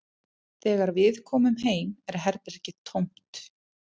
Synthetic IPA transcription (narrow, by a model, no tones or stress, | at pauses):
θɛːɣaɾvɪðkʰɔːmʏmɦeːjmɛɾ̥ɦɛɾt̪ɪɾɛhcɪt̪ʰowm̥t̪